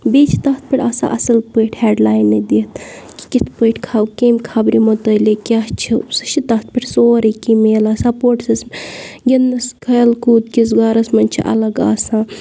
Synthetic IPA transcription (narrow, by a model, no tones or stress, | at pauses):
beːt͡ʃʰi̥t̪ɐt̪̚pʲiʈʰʲɐsã̰ʔɐsɐlpəːʈʰheːɖlaːjnːɐd̪iːt̪ki̥kit̪ʰpəjʈʰkʰaːwkeːmʲkʰabɾimot̪əlekʲaɦt͡ʃʰisɨ̥ʃit̪ɐt̪̚ʰpʲiʈʰsoːɾɐkimeːlasɐpoːʈsɐsmɡʲenːɐskʰɐjlkuːd̪̚kisɡaːɾɐsmɐnʲt͡ʃʰiʔɐ̰lɐɡaːsãː